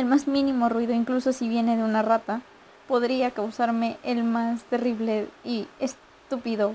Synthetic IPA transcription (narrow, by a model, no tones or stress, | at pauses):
e̞lmazmĩnĩmo̞rwiðo̞iŋkluso̞siβje̞ne̞ðeunarat̪a | po̞ðɾiakawsaɾme̞ʔelmast̪e̞riβle̞ies | t̪upiðo̞